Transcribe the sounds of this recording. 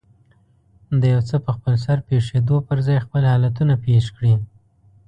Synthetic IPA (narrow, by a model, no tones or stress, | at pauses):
d̪əjawt͡səpəxpəlsaɾpeʂed̪opəɾzɑjxpəlhɑlat̪unapeʂkɽi